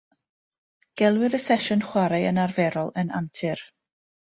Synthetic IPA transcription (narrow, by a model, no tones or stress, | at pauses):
ɡ̥ɛlˠwɨðəsɛʃɔnχwaɾaənarvɛɾɔlˠəna̰ntʰɪr